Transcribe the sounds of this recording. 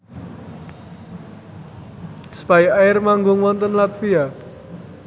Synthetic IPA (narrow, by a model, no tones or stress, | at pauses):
spajaɪrmaŋɡʊŋmɔnt̪ənlat̪̚fia